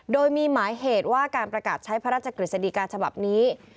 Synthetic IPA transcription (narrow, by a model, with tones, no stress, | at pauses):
doː˧jmiː˧maː˩˦jɦeː˨˩t̪̚waː˥˩kaː˧npɾa˧kaː˨˩t̪̚t͡ɕʰa˦˥jpʰa˦˥ɾaː˥˩t̪̚t͡ɕa˧kɾi˨˩t̪sa˧di˨˩kaː˧t͡ɕʰa˧ba˨˩p̚niː˦˥